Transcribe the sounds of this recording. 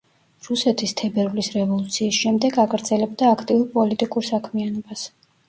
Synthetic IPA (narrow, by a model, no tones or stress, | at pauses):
ɾusɛt̪ʰist̪ʰɛbɛɾvlisɾɛvɔlˠut̪sʰiːsʃɛmd̪ɛɡaɡɾd̪zɛlɛb̚d̪aːkʰt̪ʼiuɾpʼɔlit̪ʼikʼuɾsakʰmianɔbas